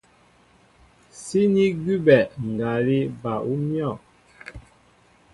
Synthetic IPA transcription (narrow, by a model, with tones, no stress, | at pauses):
si˦ni˦ɡi˦bɛ˨ŋ̩˨ɡa˨li˦ba˨ʔu˦mjɔ˦˨